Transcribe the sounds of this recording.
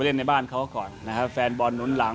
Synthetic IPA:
le˥˩nːa˧jbaː˥˩nkʰa˦˥wkɔː˨˩nːa˦˥kʰa˦˥p̚fɛː˧nbɔː˧nːu˩˦nla˩˦

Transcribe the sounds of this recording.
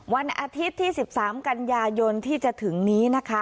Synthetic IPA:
wa˧nʔaː˧t̪ʰi˦˥t̪ʰːiː˥˩si˨˩p̚saː˩˦mka˧njaː˧jo˧nt̪ʰiː˥˩t͡ɕa˨˩t̪ʰɯ˩˦ŋniː˦˥na˦˥kʰa˦˥

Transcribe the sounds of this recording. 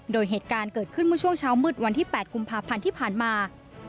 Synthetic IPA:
doː˧jɦeː˨˩t̪̚kaː˧nkɤː˨˩t̪̚kʰɯ˥˩nmɯ˥ət͡ɕʰu˥˩əŋt͡ɕʰaː˦˥wmɯ˧˥˩t̪̚wa˧nt̪ʰiː˥˩pɛː˨˩t̪̚ku˧mpʰaː˧pʰa˧nt̪ʰiː˥˩pʰaː˨˩nmaː˧

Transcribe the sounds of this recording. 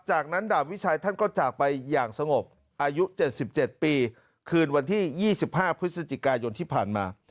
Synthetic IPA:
t͡ɕaː˨˩k̚na˦˥ndaː˨˩wi˦˥t͡ɕʰaː˧jt̪ʰa˥˩nkɔː˥˩t͡ɕaː˨˩k̚pa˧jːaː˨˩ŋsa˧ŋo˨˩p̚ | ʔaː˧ju˦˥t͡ɕe˨˩t̪̚si˨˩p̚t͡ɕe˨˩t̪̚piː˧ | kʰɯː˧nwa˧nt̪ʰiː˥˩jiː˥˩si˨˩p̚haː˥˩pʰɾɯ˦˥sa˧t͡ɕi˨˩kaː˧jo˧nt̪ʰiː˥˩pʰaː˨˩nma̰ː˧

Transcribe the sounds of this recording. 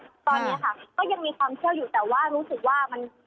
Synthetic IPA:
t̪ɔː˧nːi˦˥ɐkʰa˥˩kɔː˥˩ja˧ŋmiː˧kʰwaː˧mkʰəwjuː˨˩t̪ɛː˨˩waː˥˩ɾuː˦˥sɯ˨˩k̚waː˥˩ma˧n

